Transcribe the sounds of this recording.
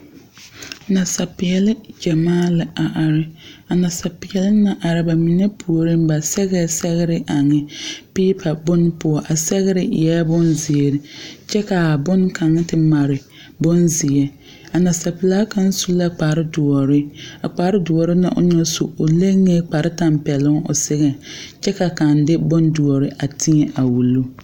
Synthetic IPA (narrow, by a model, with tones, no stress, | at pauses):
na˨sa˨pɪ˨jɛ˨lɪ˦d͡ʒa˨maː˦la˨a˨ʔa˨ɾɪ˦a˨na˨sa˨pɪ˨jɛ˨lɪ˦na˨ʔa˨ɾɪ˦ba˨mi˨nɛ˦pʰu˨o˨ɾi˦m˦ba˨sɛ˦ɣɛ˦sɛ˦ɣɪ˦ɾɪ˦ʔa˨ŋɪ˦piː˦pʰa˨bʊ˦n˦pʊ˨ɔ˨ʔa˨sɛ˦ɣɪ˦ɾɪ˦ɪ̰˨ja˦bʊ˦nzɪ˨e˨ɾɪ˦t͡ʃɛ˦ka˨bʊ˦nka˨ŋɪ˦tɪ˨ma˨ɾɪ˨ | bʊ˦nzɪ˨ɛ˦ | a˨na˨sa˨pɪ˨laː˦ka˦n˦su˦la˦k͡pa˨ɾɪ˦dʊ˨ɔ˨ɾɪ˦a˨k͡paː˨˦ɾɪ˦dʊ˨ɔ˨ɾɪ˦na̰˨ʔʊ̰˦ɲɛ˦sṵ˨ʊ˨le˦ŋe˦k͡pa˨ɾɪ˦ta˨m˦pɛ˨lʊ˦ŋʊ̰˨sɪ˦ɣɛ˨t͡ʃɛ˦ka˨ka˨ndɪ˦bʊ˦ndʊ˨ɔ˨ɾɪ˦ʔa˨tʰɪ˦ɛ˨ʔa˨wu˨lu˦